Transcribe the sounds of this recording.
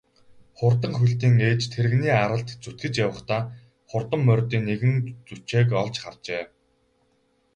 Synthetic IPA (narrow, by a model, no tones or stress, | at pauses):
χʊrt̪ə̆ŋxuɬt̪iːŋeːt͡ɕt̪ʰeɾɘ̆ɣniːaɾə̆ɬt̪t͡sut̪ɡɘ̆t͡ɕjawə̆χt̪aː | χʊrt̪ə̆mːœrʲt̪iːnːeɣɘ̆nt͡sut͡ɕeːk̬ɔɮt͡ɕχa̰rt͡ɕeː